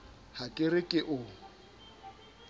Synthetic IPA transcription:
hakʼɪrɪkʼɪʔʊ

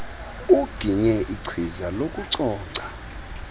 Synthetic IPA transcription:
uɡ̥ʱiɲɛʔiǀʰizalokʼuǀɔːǀḁ

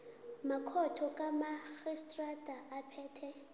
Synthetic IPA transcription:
makʰɔtʰɔkʼamaxistʼradʱʼaʔapʰɛːtʰɛ

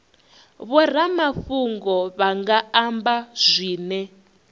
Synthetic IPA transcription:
βɔr̤amafuŋɡɔβaŋɡaambaz̥ʷiːnɛ

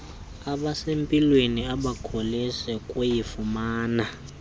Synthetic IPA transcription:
aɓasempʼilweniaɓakʰolisɛkʼwejifumaːna

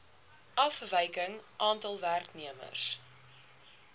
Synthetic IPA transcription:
ʔɐfvəjkəŋʔɑːntɐlˠværkniəmə̰rs

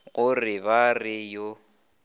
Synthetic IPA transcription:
ɣʊrɪbarɪjo

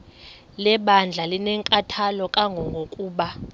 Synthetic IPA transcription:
lɛɓand͡ɮʱalinɛŋkʼatʰalɔkʼaŋɡʱɔŋɡʱokʼuːɓa

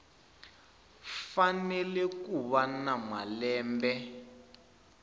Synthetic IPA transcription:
fanɛlɛkuβanamwalɛːmbɛ

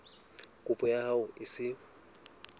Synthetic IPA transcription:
kʼʊpʼɔjaaʊɪsɪ

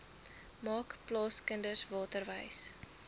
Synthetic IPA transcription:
mɑːkplɑːskəndəsvɑːtərvəjs

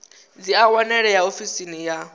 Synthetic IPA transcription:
d͡ziawanɛɺɛjaofisinija

